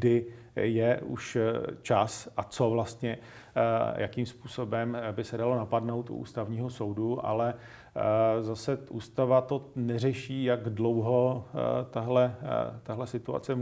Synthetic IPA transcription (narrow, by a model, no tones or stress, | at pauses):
ɡdɪ | jɛʔṵʃt͡ʃasʔat͡so̞vlast̪ɲɛ | jakimspuːso̞bɛmbɪsɛdalo̞napadno̞wt̪ṵʔṵːst̪avɲiːɦo̞so̞wduʔa̰lɛ | zasɛʔṵːst̪avat̪o̞nɛrɛʃiːjaɡdlo̞wɦo̞t̪aɦlɛt̪aɦlɛsɪt̪ua̰t͡sɛ